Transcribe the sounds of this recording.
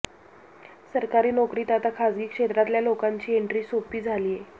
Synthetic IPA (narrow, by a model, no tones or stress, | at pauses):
səɾkaɾiːnɔkɾiːt̪at̪akʰad͡zɡiːkʂet̪ɾat̪ljalokaɲt͡ɕiːeɳʈɾiːsopiːd͡zʱaliːje